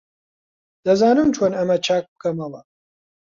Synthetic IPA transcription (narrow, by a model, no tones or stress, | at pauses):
d̪̥ɐzaːnɨmt͡ʃʰonɐmɐt͡ʃʰaːk̚b̥ɨkʰɐmɐlˠɐ